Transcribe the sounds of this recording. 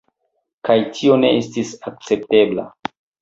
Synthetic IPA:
kajtʰio̞ne̞estisak̚t͡se̞p̚te̞bla̰

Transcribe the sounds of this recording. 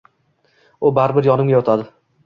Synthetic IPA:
ʊbaɾɪbɪɾjɒnɪmɡʲajɒt̪ʰad̪ɪ

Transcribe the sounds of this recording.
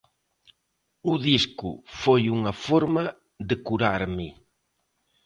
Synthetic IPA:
uðiskʊ̰fojuŋɐfɔɾmɐ | ðɪkuɾaɾmɪ

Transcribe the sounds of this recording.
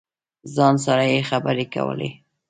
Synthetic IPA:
zɑnsaɾajexabəɾeka̰wə̰lḛ

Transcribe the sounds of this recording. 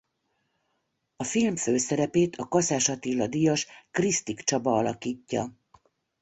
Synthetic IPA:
ɒfilmføːsɛɾɛpeːt̪ʰɒkɒsaːʃɒt̪ilːɒd̪ijɒʃkrist̪ikt͡ʃɒbɒɒlɒkiːcːɒ̰

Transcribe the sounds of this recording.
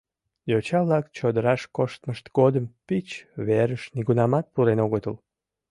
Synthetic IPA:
jot͡ɕɑβlɑkt͡ɕod̪əɾɑʃkoʃt̪məʃt̪ɡod̪əmpit͡ɕβeɾəʃniɣunɑmɑt̪̚puɾenoɣət̪əl

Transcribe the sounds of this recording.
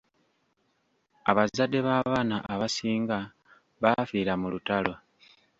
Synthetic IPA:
aβazadːe̞βaːβaːnaʔaβasiːŋɡa | βafiːɾamulutalwa

